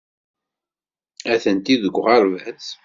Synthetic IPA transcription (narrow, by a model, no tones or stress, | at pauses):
æθənt̪iðəɡʷːʁɑɾˤvæt͡s